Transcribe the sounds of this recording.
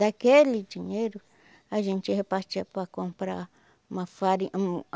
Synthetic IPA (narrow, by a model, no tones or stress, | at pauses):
d̪akelid͡ʒiɲeɾʊ | aʒẽnt͡ʃɪhepast͡ʃiapɾakõmpɾa | mãfaɾi